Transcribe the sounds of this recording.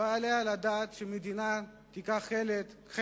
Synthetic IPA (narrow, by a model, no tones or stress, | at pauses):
aːlealad̪aːt̪ʃemed̪ina | t̪ikaχelet | χ